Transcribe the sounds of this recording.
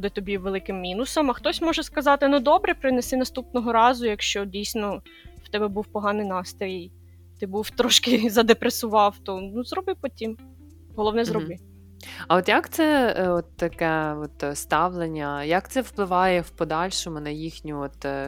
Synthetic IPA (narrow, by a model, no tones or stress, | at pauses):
d̪ɪt̪ɔbʲiʋelˠɪkɪmːʲinʊsɐmɐxt̪ɔsʲmɔʒɛskɐzɑt̪ɪnud̪ɔbɾɛpɾɪnesɪnɐst̪upnɔɦɔɾɑzʊjɐkʃt͡ʃɔdʲijsʲnɔ | wt̪ɛbɛbuwpɔɦɑnɪjnɑst̪ɾʲij | t̪ɪbuwt̪ɾɔʃkɪzɐd̪epɾesʊʋɑwt̪ɔnuzɾɔbɪpɔtʲim | ɦɔlˠɔʋnɛzzɾɔbɪ | ɐɔt̪jakt̪sɛɔt̪ːɐkɛɔt̪st̪ɑʋlˠenʲːɐjakt̪sɛwplˠɪʋɑjɛwpɔd̪ɑlʲʃɔmʊnɐjixnʲʊɔt̪